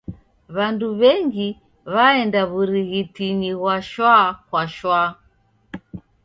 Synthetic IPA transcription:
βanduβɛŋɡi | βaɛndaβuɾiɣitiniɣwaʃwakwaʃwa

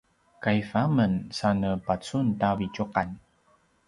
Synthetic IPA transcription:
kajfamənsanəpat͡suntavicuqan

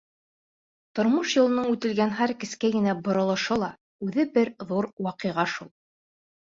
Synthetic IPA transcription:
t̪ŏɾmɤʃjŏlˠɤ̆nɤɴʉt̪ɘ̆lɡænɦæɾkɘ̆skæɡɘ̆næbŏɾɤ̆lˠɤ̆ʃɤlˠɑ | ʉðɘbɘɾðuɾwɑqɤ̆jʁɑʃulˠ

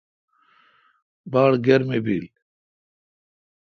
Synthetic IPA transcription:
baːɽɡɐɾmebiːl

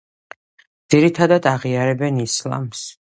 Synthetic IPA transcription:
d̪z̥iɾit̪ʰad̪ad̪aʁiaɾɛbɛnislˠa̰ms

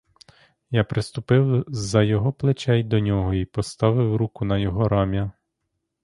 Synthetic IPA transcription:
japɾɪst̪ʊpɪwzɐjɔɦɔplˠet͡ʃɛjd̪ɔnʲɔɦɔipɔst̪ɑʋɪwɾukʊn̪ɐjɔɦɔɾɑmʲjɐ

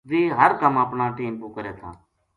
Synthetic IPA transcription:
diːɦəɾkəməpɳãːʈiːmpuːkəɾeːt̪ʰa̰ː

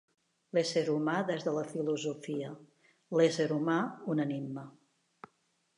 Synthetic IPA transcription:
leseɾumaðɛzðələfiluzufiə | leseɾumaunənimmə

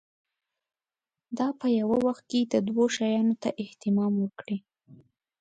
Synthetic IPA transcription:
d̪ɑpəjawawaxt̪̚ked̪əd̪woʃɑjɑnot̪aʔɪht̪ɪmɑmwəkɽi

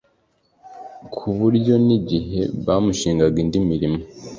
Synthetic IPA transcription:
kʰuβuɾɟo̞niɟiɦe̞̰βaːmuʃiːŋɡaɡindimiɾimo

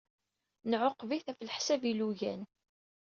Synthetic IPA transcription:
nʕoqːviθæflħsæviluʝæ̰n

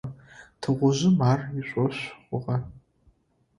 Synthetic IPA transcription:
tʰɨʁʷʊʑɪmaːriɕʷʼɔɕʷχʷʊʁɐ

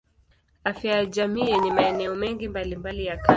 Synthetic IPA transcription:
afjajaʄamiɛnimaɛnɛɔmɛŋɡimbalimbalijaka

